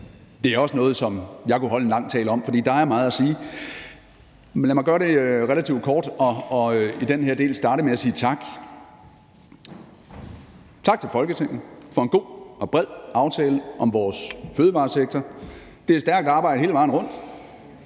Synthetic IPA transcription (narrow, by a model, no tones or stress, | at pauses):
d̥e̝æɐɒ̽sənɔ̽ːð̩ˠsɒ̽mjɑ̈ɪkʰuɦɒ̽lenlɑ̈ŋ̰t͡sʰɛ̰ːləɒ̽m̰fɒ̽d̥ḭːd̥ɑ̈æɐmɑ̈ːð̞̩ˠæsiː | læmɑɪɡɶɐɾ̥e̝ʁelæt͡sʰḭʊd̥kʰɒːd̥ɒ̽id̥enheɐd̥e̝̰ːlsd̥ɑ̈ːɾəmeæsiːt͡sʰɑ̈ɡ̥ | t͡sʰɑ̈ɡ̥̚t͡sʰe̝lfɒ̽lɡ̥ət͡sʰe̝ŋ̰n̩fɒ̽e̝nɡ̥o̝̰ːɒ̽b̥ʁɛð̰ˠɑ̈ʊt͡sʰɛːləʔɒ̽mʋɒːsføːð̞ˠʋɑ̈ːseɡ̥̚t͡sʰɐ | d̥e̝æsd̥æɐɡ̥d̥ɒɑ̈ːb̥ɑ̈ɪdəɦːləʋɑ̈ːn̩ʁɔ̽n̰d̥